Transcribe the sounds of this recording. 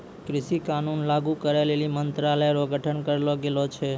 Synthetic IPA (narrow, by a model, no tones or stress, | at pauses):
kɾɪʃikanunlaɡukəɾelelimənt̪ɾaləjɾoɡʱəʈʰənkəɾeloɡelot͡ʃʰe